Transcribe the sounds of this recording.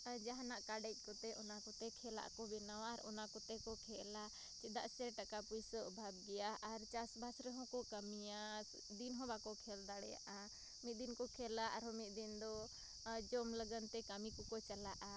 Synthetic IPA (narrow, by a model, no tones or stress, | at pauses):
aɾd͡ʒaɦnaʔkaɖɛc̚ˀkɔt̪ɛʔɔnakɔt̪ɛkʰɛla̰ʔkɔbɛnawaɾɔnakɔt̪ɛkɔkʰɛla | t͡ʃɛd̪a̰ʔsɛɾʈakapujsəʔbʱab̚ɡɛjaːɾt͡ʃasbʱasɾɛɦɔ̃kɔkəmija | d̪inɦɔ̃bakɔkʰɛld̪aɽɛja̰ʔa | mit̪̚ˀd̪inkɔkʰɛlaʔaɾɦɔmit̪̚d̪ind̪ɔ | d͡ʒɔmləɡənt̪ɛkamikɔkɔt͡ʃəlaʔa